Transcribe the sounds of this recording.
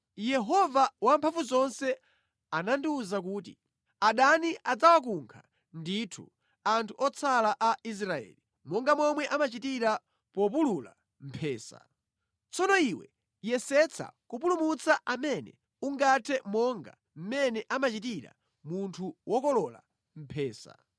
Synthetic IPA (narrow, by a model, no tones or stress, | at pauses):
jɛɦɔvawampʰaɱvuzɔnsɛ | anandiuzak̬uːtḭ | aɗaniʔad͡zawak̬uŋkʰa | nditʰu | antʰuʔɔt͡sʰalaʔais̬ɾaɛ̰li | mɔŋɡamɔmwɛʔamat͡ʃitiɾa | pɔp̬ulula̰ | m̩pʰɛːsa̰ | t͡sɔnɔiwɛ̰ | jɛsɛt͡sʰa̰kupulumut͡saʔamɛnɛ̰ | uŋɡatʰɛmɔŋɡa̰ | m̩mɛnɛʔamat͡ʃitiɾa̰ | muntʰuwʔɔkɔlɔla̰ | m̩pʰɛːsa̰